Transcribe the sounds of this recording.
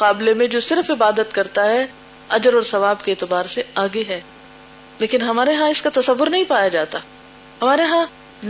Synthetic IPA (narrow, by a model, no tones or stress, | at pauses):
qaːblemẽd͡ʒoːsɪɾəfɪbaːd̪ət̪kɐɾt̪aɦɛ | ɐd͡ʒəɾɔːɾsɐʋaːbkeɪːt̪ɪbaːɾseaːɡeɦɛː | leːkɪnɦɐmaːɾeɦãɪskat̪ɐsɐʋːʊɾnɐɦĩpaːjad͡ʒaːt̪aː | hɐmaːɾeɦã | n